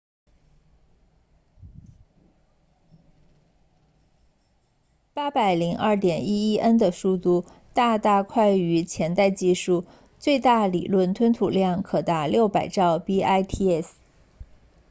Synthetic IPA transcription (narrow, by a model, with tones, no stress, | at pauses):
pa˥pa˨˩ɪli˧˥ŋʔɐ˞˥˩t̪jɛ˨˩ni˥i˥ʔə˥nd̪ə˨ʂu˥˧t̪u˥˧ | t̪a˥˧t̪a˥˧kʰwa˥˩ɪy˧˥t͡ɕʰjɛ˧˥nt̪a˥˧ɪt͡ɕi˥˧ʂu˥˧ | t͡swe˥˧ɪt̪a˥˩lḭ˨˩lwə˥˩nt̪ʰwə˥nt̪ʰu˨˩ljɑ˥˩ŋkʰɤ˨˩t̪a˧˥ljo˥˩ʊpa˨˩ɪʈ͡ʂɑ˥˩ʊpi˥ʔa˥ɪt̪ʰi˥ɛ˥˩s